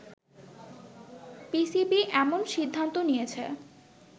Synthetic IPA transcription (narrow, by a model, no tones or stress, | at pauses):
pisibiʔɛmonʃid̪ʱːant̪onijet͡ɕʰe